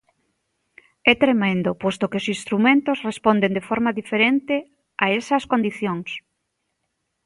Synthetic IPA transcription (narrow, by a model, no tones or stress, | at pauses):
ɛt̪ɾemẽnd̪opost̪okeosĩnst̪ɾumẽnt̪osrespond̪end̪efɔɾmaðifeɾent̪ɪ | aesɐskond̪iθjoŋs